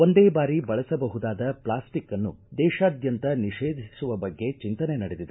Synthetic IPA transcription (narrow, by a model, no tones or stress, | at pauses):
o̞nd̪eːbaːɾibɐɭɐsɐbɐɦud̪aːd̪ɐpɭaːsʈikːɐnːud̪ɛːʃaːd̪jɐnt̪ɐniʂeːd̪ʱisuʋɐbɐɡːe̞t͡ʃint̪ɐne̞nɐɽed̪id̪e